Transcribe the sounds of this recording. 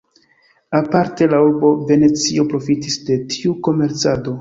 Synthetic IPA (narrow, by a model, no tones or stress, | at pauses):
apaɾte̞lauɾbo̞ve̞ne̞t͡sio̞pɾo̞fitisde̞tʰiuko̞me̞ɾt͡sado̞